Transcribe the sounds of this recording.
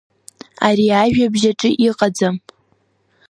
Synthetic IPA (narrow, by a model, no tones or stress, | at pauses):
aɾiaʒᶣabʒaʈ͡ʂʼɨʔiqʼad͡zam